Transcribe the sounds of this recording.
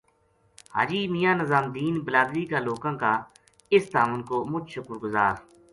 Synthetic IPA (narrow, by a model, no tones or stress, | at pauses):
ha̰ːd͡ʒiːmijãːnəzaːmd̪iːnbəlaːd̪ɾiːkaːloːkãːkaː | ɪst̪aːmənkoːmʊt͡ʃʃʊkəɾɡʊza̰ːɾ